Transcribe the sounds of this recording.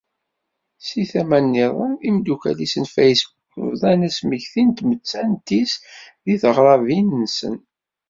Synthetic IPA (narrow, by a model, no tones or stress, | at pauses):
siθæmænːiðˤənimd̪ukæ̰lisənfæjsbukvðˤænæsmiçθint̪mət͡sːænt̪isðiθəʁɾˤɑvinːsə̰n